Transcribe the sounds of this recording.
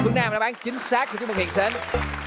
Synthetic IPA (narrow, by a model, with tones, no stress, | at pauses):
fɨ˦˥ənaː˧mɗa̰ː˧˥ɓaː˨˦nt͡ɕï˨˦ŋ̟saː˦˥k̚ɨ˨˩t͡ɕːm̚˨˩hḭ˧˨nseː˨˦n